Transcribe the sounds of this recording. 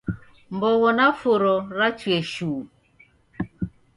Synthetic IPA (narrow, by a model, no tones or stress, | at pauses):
mbɔwɔnafoɾɔɾat͡ʃwɛʃuː